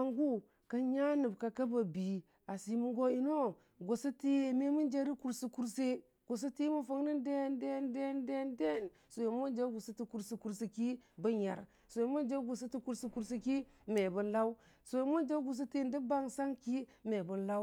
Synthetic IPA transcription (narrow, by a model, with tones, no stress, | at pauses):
a˨ŋɡu˦ | ka˦ɲa˦nu˨bka˨ka˦ba˨bi˨ | a˨si˨mu˦ŋɡo˦i˦no˦ | ɡo˨sa˦ti˦˨me˦mu˦nd͡ʒe˦ɾi˦ku˦ɾsi˦ku˦ɾse˦ | ɡ̥o˨s̬a˦ti˦mu˦fə˦ŋni˦nde˦˨nde˦˨nde˦nde˦˨nde˦˨n | so˨je˨m˦o˦nd͡ʒa˦ɡu˨si˦ti˦ku˦ɾsi˦ku˦ɾsi˦ki˦bə˦ɲa̰˨ɾ | so˨e˨mu˦nd͡ʒe˦ɡu˨s̬e˦ti˦ku˦ɾsi˦ku˦ɾsi˦ki˦ | me˨bə˨nla˦u˦ | so˨je˨mo˦nd͡ʒa˦ɡu˨s̬i˦ti˦˨ndi˦ba˦ŋsa˦ŋki˦me˨bə˦nla˦w